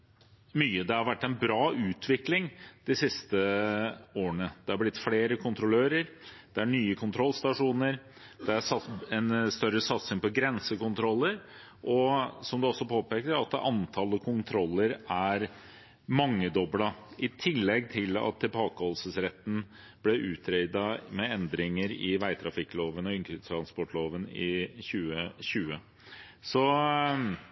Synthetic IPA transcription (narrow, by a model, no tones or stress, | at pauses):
myːəd̪ɛhɑɾʋæʈːænbɾɑːʔʉːt̪ʰʋɪklɪŋd̪̥ɪsɪst̪ə | oːəɳəd̪̥ɛhɑɾblɪt̪ːfleːɾəkʰʊnt̪ʰɾʊløːɾəɾ | d̪̥ɛæɳyːəkʰʊnt̪ʰɾɔlst̪ɑʂuːnəɾ | d̪̥ɛæsɑɛnst̪œɾəsɑt̪sɪŋpɔɡɾɛnsəkʊnt̪ʰɾɔlːəɾ | ʔɔsɔmd̪ʉɔsːɔpʰoːpeːkəɾɑt̪̚d̪ɛ̰ʔɑnt̪ʰɑləkʰʊnt̪ʰɾɔlːəɾæɾ | mɑŋːəd̪ɔblɑʔɪt̪ʰɪlːɛɡ̚t̪ʰɪlɑ̰t̪ʰːɪlbɑːkəhɔlsəsɾɛt̪ːn̩ | b̥lɛʔʉːt̪ʰɾɛɪd̪ɑmɛɛnd̪ɾɪŋəɾɪʋæɪt̪ʰɾɑfɪkːloːʋənɔɪnkʏt̪ʰɾɑnspɔʈloːʋənɪçʉːəɕʉːə | sɔ